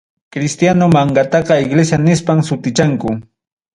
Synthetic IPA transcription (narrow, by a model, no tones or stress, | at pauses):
kɾɪst̪janomaɴɡɑt̪ɑqɑɪɡlesjanɪspamsʊt̪ɪt͡ʃaŋkʊ